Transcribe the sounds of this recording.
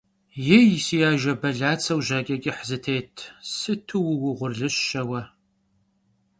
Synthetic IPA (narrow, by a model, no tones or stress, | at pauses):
jɛjsijaːʒɐbɐɮaːt͡sʰɐwʒɐkʲʼɐɡʲʼɪħzɨtʰeːtʰsɨtʰɨwʊwʊʁʷʊrɮɨɕːɐwɐ